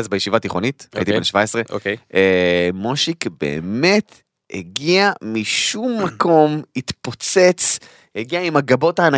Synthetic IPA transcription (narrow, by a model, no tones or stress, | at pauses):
azbejeʃivat̪iχo̞nitit̪ibenʃvaesʁeʔokeemoʃikbḛːmet | hḛɡiamiʃumːako̞mhit̪pot͡se̞t͡s | heɡiaimaɡabo̞taːna